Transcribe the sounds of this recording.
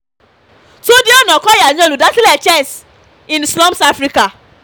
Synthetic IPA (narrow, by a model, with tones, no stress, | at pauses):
tu˦di˦o˦nɔ˨kɔ˦ja˨ɲ˦o˦lu˨da˦ti˦lɛ˨t͡ʃɛ˦˨s | ĩ˨nslɔ̃˦msa˦fɾi˦ka˨